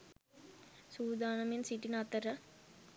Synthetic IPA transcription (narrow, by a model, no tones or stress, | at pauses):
suːd̪aːnɐmjnsiʈinɐt̪əɾə